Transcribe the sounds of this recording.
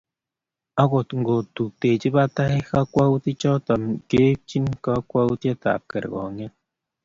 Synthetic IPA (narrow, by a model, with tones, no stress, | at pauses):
a˦ɡʊ˨tŋ̩˨ɡo˨tu˨te˨d͡ʒi˦ba˦ta˦ɦɪ˦ka˦kʷa˦u˦ti˦t͡ʃɔ˦tɔ˨m̩˨ke˦t͡ʃi˦n˦ka˦kʷa˦u˦te˦ta̰˨kḛ˨ɾɡɔ̰˨ŋe˦